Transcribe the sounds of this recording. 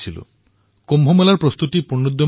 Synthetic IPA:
t͡ʃʰilṵ | kombʱomelaɾpɾɔst̪ut̪ipuɳːod̪jɔ

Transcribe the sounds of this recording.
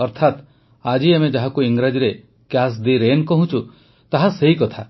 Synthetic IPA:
ɔɾt̪ʰat̪ | ad͡ʒiamed͡ʒaɦakuiŋɡɾad͡ʒiɾe | kjas̬d̪iɾenkɔɦũt͡ʃʰu | t̪aɦaseɦikɔt̪ʰa

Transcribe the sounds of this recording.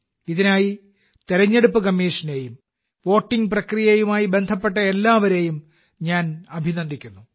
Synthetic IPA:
iðinaːji | t̪eɾɐɲːeɽupːɨkɐmːiːʂɐne̞jum | ʋo̞ːʈːiŋɡprɐkrijejumaːjibe̞nd̪ʱɐpːe̞ʈ̬ːɐelːaːʋɐɾe̞ːjum | ɲaːnɐbʱinɐnd̪ʱikʲːunːu

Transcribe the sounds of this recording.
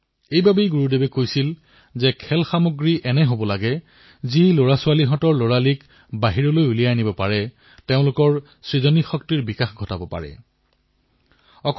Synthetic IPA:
ejbabejɡuɹudebɛkojsil | zɛkʰɛlxamoɡɹiʔɛnɛɦobɔlaɡɛ | ziloɹasʊwaliɦɔ̃tɔɹloɹalik | baɦiɹɔlojulijanibɔpaɹɛ | teʊ̃lʊkɔɹ | sɹizɔnixɔk̚tiɹbikaxɡʱɔtabɔpa̰ɹɛ̰ | ɔkʰ

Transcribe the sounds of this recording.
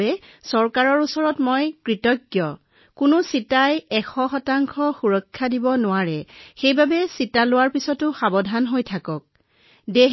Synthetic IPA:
ɛsɔɹkaɹɔɹusɔɹɔtmɔjkɹitɔkːjɔ | kʊnʊsitajɛxʰɔxɔtaŋkʰɔxuɹɔkʰːadibɔnʊwaɹɛxejbabɛsitalʊwaɹpisɔtʊxabɔdʱanɦojtʰakɔk̚ | de

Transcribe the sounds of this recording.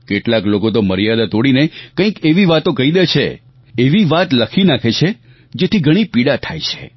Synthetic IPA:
keʈlaklokot̪oməɾijad̪at̪oɽinekə̃ĩkeʋiʋat̪õkəid̪et͡ʃʰḛ | eʋiʋat̪ləkʰinakʰet͡ʃʰe | d͡ʒet̪ʰiɡʱəɽ̃ipiɽat̪ʰajt͡ʃʰe̥

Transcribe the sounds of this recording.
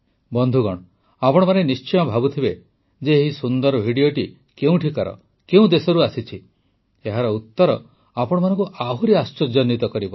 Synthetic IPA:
bɔnd̪ʱuɡɔɽ̃ | apɔɽ̃ɔmanenist͡ʃɔjɔ̃bʱabut̪ʰibe | d͡ʒeɦisund̪ɔɾɔbʱiɽioʈi | keũʈʰikaɾɔ̰ | keũd̪esɔɾuasit͡ʃʰi | eɦaɾɔut̪ːɔɾɔ | apɔɽ̃ɔmanɔ̃ŋkuʔaɦuɾiast͡ʃɔd͡ʒɔnːit̪ɔkɔɾibɔ

